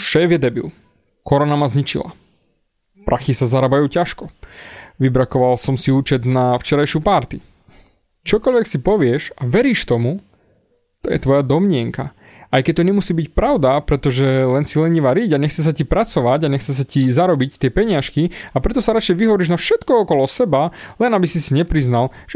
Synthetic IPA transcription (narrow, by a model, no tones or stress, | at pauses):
ʃɛːvjɛd̪ɛbḭl | kɔɾɔnamazɲit͡ʃḭla̰ | pɾʔaxisazaɾabajuːcaʃkɔ | ʋibɾakɔʋalsɔmsiuːt͡ʃɛd̪naft͡ʃɛɾajʃuːpaɾt̪i | t͡ʃɔkɔʎʋɛksipɔʋɪɛʃaʋɛɾiːʃt̪ɔmu | t̪ɔjɛ̰t̪ʋɔjad̪ɔmɲɪɛŋka | ajkɛc̚t̪ɔɲɛmusiːbicpɾaʊd̪apɾɛt̪ɔʒɛlɛnsilɛɲiʋaɾiɟaɲɛxt͡sɛs̬acipɾat͡sɔʋaɟaɲɛxt͡sɛs̬acizaɾɔbict̪ɪɛpɛɲɪaʃkiapɾɛt̪ɔsaɾat͡ʃɛjʋiɦɔʋɔɾiʒnafʃɛt̪kɔɔkɔlɔsɛbalɛnabisisiɲɛpɾiznal | ʒɛ